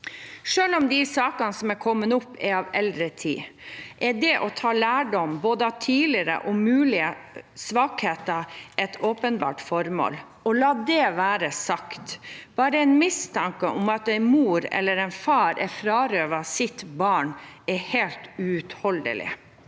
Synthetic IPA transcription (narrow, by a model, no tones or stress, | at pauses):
ʂøːlɔmd̪isɑːkɑnsɔmɛkʰɔmːənʊpːɛɾɑʋɛld̪ɾət̪ʰḭːʔɛdɛʔɔt̪ʰɑːlæːɖɔmboːd̪əɑt̪ʰiːlɪəɾə̰ʔɔmʉːlɪəsʋɑːkheːt̪ɑʔɛt̪ʰoːpənbɑ̰ːʈfɔɾmo̰ːl | ɔlɑːd̪ɛʋæːɾəsɑkt̪b̥ɑːɾəɛɪnmɪst̪ʰɑŋkəʔɔmɑt̪ɛɪnmuːɾɛ̰lːəɾɛɪnfɑːɾʔɛfɾɑːɾøːʋɑsɪt̪bɑːɳɛheːlt̪ʉʉt̪hɔld̪ə̰lɪ̰